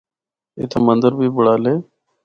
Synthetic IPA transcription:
ɪ̰t̪ʰemənd̪əɾbʱiːbʊɽaːleː

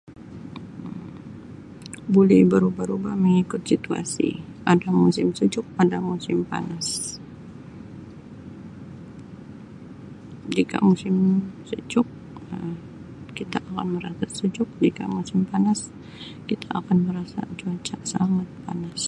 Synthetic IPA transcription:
bolɛbəɾubaɾubahməŋikʊt̪̚sit̪ua̰sḭ | adamusɪmsud͡ʒʊk̚adamusɪmpa̰nas | d͡ʒika̰musɪmsud͡ʒʊk̚ | ə | kit̪aʔːkanməɾasasud͡ʒʊk̚d͡ʒika̰musɪmpanas | kit̪ʰaʔakanməɾasa̰t͡ʃuat͡ʃasaŋat̪̚panas

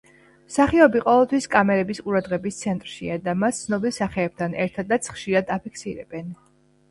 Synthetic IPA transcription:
saχiɔbiqʼɔvɛlˠt̪ʰwiskʼamɛɾɛbisqʼuɾad̪ʁɛbist̪sʰɛnt̪ʼɾʃḭad̪amast̪sʰnɔbilˠsaχɛːb̚t̪ʰanɛɾt̪ʰad̪at̪sʰχʃiɾad̪apʰikʰsiɾɛ̰b̥ɛn

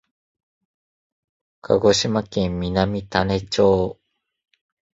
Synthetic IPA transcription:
kʰa̰ɡo̞ɕimakẽ̞mːʲinamʲit̪ane̞t͡ɕoː

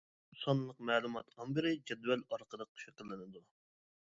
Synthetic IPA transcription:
sɔnlˠəq̚mɛːlˠumɑt̪qɑnbɪɾɪd͡ʒɛd̪vɛlɑɾqəd̪ˠəq̚ʃɨkəlˠːɨnɨd̪u

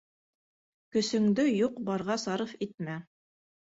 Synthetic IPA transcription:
kɵ̆sɵ̆ŋd̪ɵjuqbɑɾʁɑsɑɾɤfit̪̚mæ

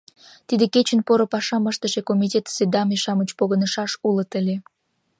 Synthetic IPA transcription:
t̪id̪eket͡ɕənpoɾopɑʃɑməʃt̪əʃekomitʲet̪sed̪ɑmeʃɑmət͡ɕpoɣənəʃɑʃulət̪əlʲe

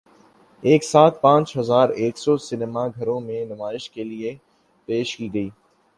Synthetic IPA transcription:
eːksaːt̪̚pãːt͡ʃɦɐzaːɾeːksɔsɪnemaɡʱɐɾõmẽnʊmaːɪʃkelie | peːʃkiɡəiː

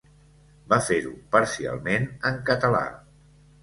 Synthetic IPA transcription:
bafeɾupəɾsia̰lˠmenəŋkət̪əla̰

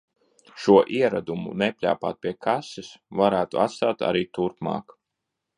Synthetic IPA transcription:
ʃuɔʔiɛɾad̪umṵnɛpʲlʲa̰ːpa̰ːt̪̚pʲiɛkʰasisvaɾæːt̪ṵa̰t̪st̪aːt̪a̰ɾiːt̪uɾpmɑ̰ːk

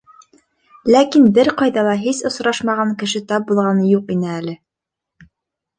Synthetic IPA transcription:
lækinbɘɾqɑjðɑlˠɑɦisŏsɾɑʃmɑʁɑŋkɘ̆ʃɘt̪ɑp̚bulˠʁɑnɤjuqinɘælɘ

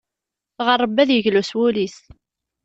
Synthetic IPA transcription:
ʁərˤːəbːæðjəʝluswʊlis

